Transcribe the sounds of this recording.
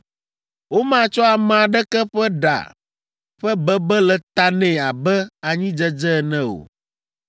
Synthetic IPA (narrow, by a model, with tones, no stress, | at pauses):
wo˦mã˦˨t͡ʃɔ˦a˨m̃˨a˨ɖɛ˦kɛ˦ɸɛ˦ɖa̰˨ | ɸɛ˦bɛ˦bɛ˦lɛ˨t̪a˦nɛ̃˨a˨bɛ˦a˨ɲĩ˦d͡ʒɛ˦d͡ʒɛ˦˨nɛ̃˦o̰˨